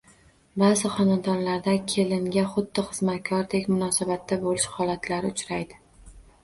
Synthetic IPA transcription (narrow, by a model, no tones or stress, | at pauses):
bazɪχɒnad̪ɒnlaɾd̪akʲʰe̞lɪŋɡʲaχʊd̪ːɪχɨzmat̪̚kʰɒɾd̪ekʲmʊnɒsabat̪ʰːabolɪʃhɒlat̪laɾɪʊt͡ʃɾajd̪ɪ